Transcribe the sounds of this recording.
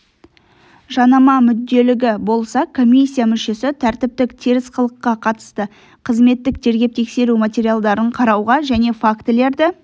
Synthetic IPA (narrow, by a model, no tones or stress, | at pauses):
ʒɑnɑmɑmʏd̪ːe̞lɪɡʲɪbo̞lˠsɑkʰo̞mʲijsʲːijamʏʃe̞sɪt̪ʰæɾt̪ɪp̚t̪ɪkt̪ʰiɾɪsqəlˠəqːɑqʰɑt̪ə̥st̪ə | qʰəzme̞t̪ːɪk̪̚ʰe̞ɾɡʲe̞p̚t̪ʰe̞kse̞ɾumat̪ʲeɾijalˠd̪ɑɾəɴqʰɑɾɑwʁɑʒæne̞fakt̪ɪle̞ɾd̪ɪ